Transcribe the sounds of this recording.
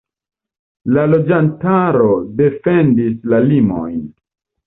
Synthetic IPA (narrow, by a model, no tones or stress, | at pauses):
lalo̞d͡ʒantaɾo̞de̞fe̞ndislalimo̰jn